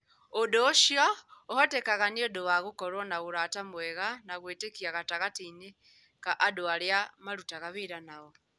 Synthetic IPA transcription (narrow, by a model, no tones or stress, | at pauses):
odoʃjɔohɔtekaɣaniodoβaɣukɔɾwɔnaɣuɾatamwɛɣanaɣweːtekiaɣataɣateine | kaʔadoaɾjamaɾutaɣaβeɾanaɣɔ